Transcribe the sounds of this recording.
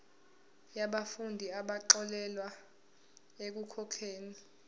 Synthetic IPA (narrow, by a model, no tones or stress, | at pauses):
jaɓafundʱiaɓaǃɔlɛlwa | ek̬ukʰɔkʰeːni